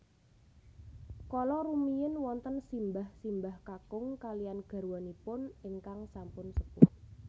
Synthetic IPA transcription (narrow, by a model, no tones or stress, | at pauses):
kɔlɔɾumijɪnwɔnt̪ənsimbahsimbahkakʊŋkalijanɡ̥a̤rwɔnipʊnɪŋkaŋsampʊnsəpʊt